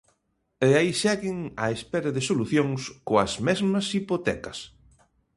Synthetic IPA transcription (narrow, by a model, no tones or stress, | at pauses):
eaisɛɣɪŋɐ̰espɛɾɐðɪsoluθjoŋskoɐzmɛzmɐsipot̪ɛ̰kɐs